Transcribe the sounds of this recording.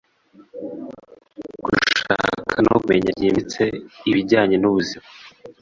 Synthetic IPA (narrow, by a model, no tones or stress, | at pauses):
ɡ̥ṵʃa̰kʰano̰ɡmeɲaɟiːmit͡se̞iβiɾɟaːɲe̞nuβuzima